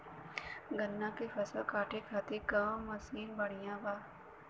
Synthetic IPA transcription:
ɡənːãkefʰɐsəlkaːʈʰekʰaːt̪ekɐ̃ːməsiːnbəɽ̤ijãbaː

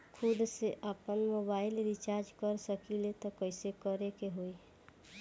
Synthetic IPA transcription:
kʰʊd̪seʔapənmoːbaːɪlɾit͡ʃaːɾd͡ʒkəɾsəkilet̪okəɪsekəɾekeɦoe

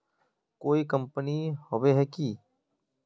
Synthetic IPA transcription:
koːikə̃mpənihoʋeɦɛkiː

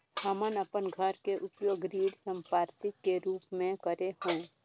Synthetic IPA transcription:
həmənəpənɡʱəɾkeʔʊp̪joːɡɾiːɽsə̃mpaːɾsɪk̪keɾuːpmẽkəɾeɦũː

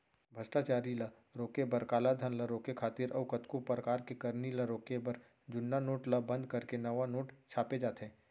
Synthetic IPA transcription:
bʱɐsʈat͡ʃaːɾilɐ | ɾoːkebɐɾkaːlad̪ʱənlɐɾoːkekʰaːt̪ɪɾʔɐːkɐt̪kupɾəkaːɾkekɐɾniləɾoːkebɐɾ | d͡ʒʊnːanoːʈləbɐ̃nd̪kɐɾkenɐʋanoːʈt͡ʃʰaːped͡ʒaːt̪ɦɛ̃ː

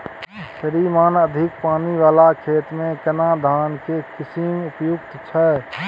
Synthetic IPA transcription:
səɾimaːnəd̪ʱɪkpaːniʋaːlakʰeːt̪mẽkənad̪ʱaːnkekɪsimʊpjʊkt̪t͡ʃʰɛ

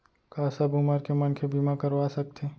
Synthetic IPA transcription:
kaːsɐbumaɾkemənkʰebimakɐɾʋasɐk̚t̪ʰeː

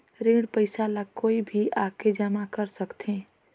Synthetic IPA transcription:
ɾiːɽpəɪsaləkoːibʱiʔaːked͡ʒamakɐɾsɐkt̪ʰẽː

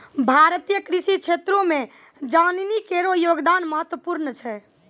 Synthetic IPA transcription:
bʱaɾt̪ijəkɾisikt͡ʃʰet̪ɾõme | d͡ʒaninikeɾojoɡd̪anməɦət̪wəpuɾnət͡ʃʰɛ

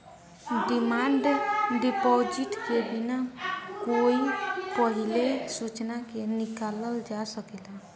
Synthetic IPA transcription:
ɖimaɳɖɖipɔd͡ʒiʈkebinakoipəɦilesut͡ʃnakenikaləld͡ʒasəkɛla

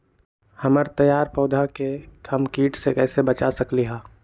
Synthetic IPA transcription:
hɐməɾt̪ɐjaːɾpɔːd̪ʱakekʰəmkiːʈʰsekɛːsebɐt͡ʃasəkliɦaː

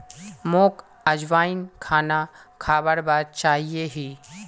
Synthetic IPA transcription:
moːk | əd͡ʒʋaːɪnkʰaːnakʰaːbəɽbaːd̪̚t͡ʃaːɦijeɦiː

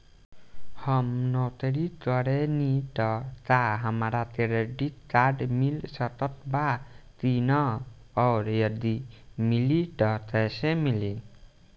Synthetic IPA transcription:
hʌmnɔwt̪eɾit̪ʌɾeniʈʌt̪aɦʌmɾat̪eɾeɖikkaɖmilsʌt̪ʌt̪bat̪inʌː | ɾjʌd̪imiliʈʌt̪əsemili

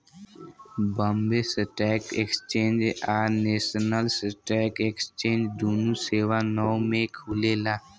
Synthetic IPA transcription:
bə̃mbesəʈɛːkekst͡ʃẽːnd͡ʒaːneːʃənəlsəʈɛːkekst͡ʃẽːnd͡ʒd̪oːnuseːʋanɔmẽkʰuːlelaː

